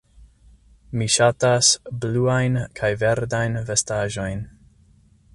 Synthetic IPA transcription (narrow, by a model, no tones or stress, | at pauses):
miʃatasbluajnkʰajve̞ɾdajnve̞staʒo̞jn